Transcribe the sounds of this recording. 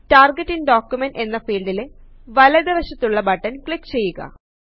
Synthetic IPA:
taːrɡetːinɖoːkjumenɖe̞nːɐfiːɭɖile | ʋɐlɐðiʋɐɕɐt̪ːuɭːɐbɐʈːɐnkɭikːt͡ɕe̞jːuɣɐ̰

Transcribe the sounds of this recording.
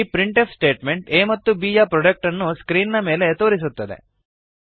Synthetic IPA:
pɾiɳʈepʰsʈe̞ːʈme̞ɳʈeːmɐt̪ːubiːjaːpɾoɖek̚ʈɐnːuskɾiːnːɐme̞ːle̞t̪o̞ːɾis̬ut̪ːɐd̪e̞̰

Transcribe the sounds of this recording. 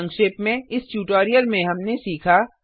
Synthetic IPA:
ŋkʃɪːpmẽɪsʈjuːʈoːɾijəlmẽɦɐmnesiːkʰa

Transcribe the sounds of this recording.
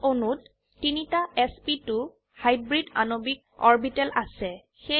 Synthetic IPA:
onutː | initaɛspitʊ | hajbɹida̰nobik̚ɔɹbitɛlʔasɛ | xe

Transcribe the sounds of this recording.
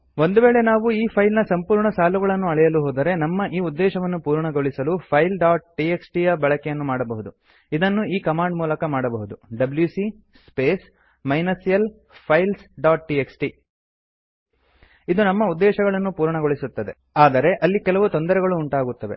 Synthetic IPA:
ʋo̞nd̪uʋeːɭe̞naːʋuiːpʰɐjlnɐsɐmpuːɾɳɐsaːluɡɐɭɐnːuɐɭɛjɐluɦoːd̪ɐɾe̞nɐmːɐʔiːud̪ːɛːʃɐʋɐnːupuːɾɳɐɡo̞ɭisɐlupʰɐjlɖaːʈ̚ʈieksʈijɐbɛɭɐkɛjɐnːumaːɽɐbɐɦud̪u | id̪ɐnːuiːkɐmaːɳɖmuːlɐkɐmaːɽɐbɐɦud̪uɖɐbljusi | speːs | mɐjnɐsijɐl | pʰɐjlsɖaːʈ̚ʈieksʈi | id̪unɐmːɐud̪ːɛːʃɐɡɐɭɐnːupuːɾɳɐɡo̞ɭisut̪ːɐd̪e̞̰ | aːd̪ɐɾe̞ʔɐlːikɛlɐʋut̪ond̪ɐɾɛɡɐɭuːɳʈaːɡut̪ːɐʋe̞̰

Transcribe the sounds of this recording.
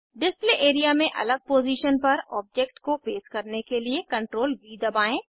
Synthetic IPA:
ɖɪspleʔeːɾijamẽʔɐ̰ləɡ̚poːziːʃənpɐɾɔ̰ːb̚d͡ʒekʈkopeːzkɐɾnekeliekɐ̃ɳʈɾoːlbiːd̪ɐbaːẽː

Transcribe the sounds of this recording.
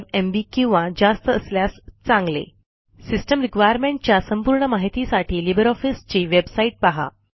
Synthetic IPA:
embiːkĩw̃ʋad͡ʑast̪əəsljast͡sãŋɡlḛ | sisʈəmɾikʋajəɾmeɳʈ̚t͡ɕjasəmpuɾɳəmaɦit̪isaʈʰiːlibəɾɔfist͡ɕiːʋebsaiʈ̚paɦa̰

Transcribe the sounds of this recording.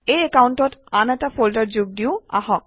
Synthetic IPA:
ejekawntɔtanɛtapʰoldaɹd͡ʑuɡ̚diʊa̰ɦɔk̚

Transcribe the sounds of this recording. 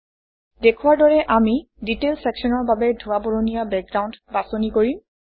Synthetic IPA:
dekʰuwaɹdɔɹɛʔami | ditelsɛksɔnɔɹbabɛdʱuwaboɹonijabɛk̚ɡɹaw̃ntbasonikoɹim

